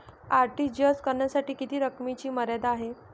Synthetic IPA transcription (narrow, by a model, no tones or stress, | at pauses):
aɾʈiːd͡ʑəskəɾɳjasaʈiːkit̪iːɾəkmit͡ɕiːməɾjad̪aɦe